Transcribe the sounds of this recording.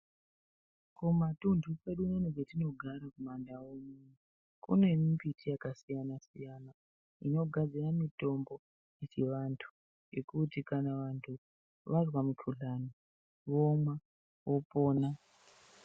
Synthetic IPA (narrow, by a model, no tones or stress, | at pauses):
komatundʱupe̞ɗunoneɡetino̞ɡʱaɾakumandawomu | kṵne̞mimpitʰijakasijanasijaːna | ino̞ɡʱad͡ziramito̞mbo | it͡ʃeʋantʰu̥ | je̞kutikanaʋantʰu | ʋarwamukʰuɮani | ʋomwa | ʋo̞po̞ːna